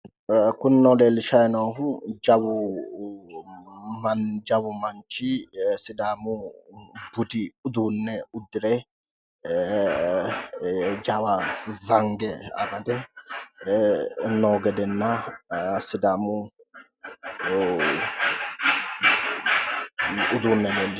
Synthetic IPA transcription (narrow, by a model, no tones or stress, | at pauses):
kʊnːɔleːlɪʃɐjnɐwɦʊd͡ʒɐwʊ | mɐd͡ʒɐwʊmɐnt͡ʃːɪsɪd̪aːmʊ | bʊd̪ɪʊd̪uːnːɛʊd̪ːɪɾɛ | d͡ʒɐwazɐŋɡɛɐ̰bɐd̪ɛ | noːɡɛd̪ɛnːɐ | sɪd̪aːmʊ | ʊd̪uːnːɛdɛnd̪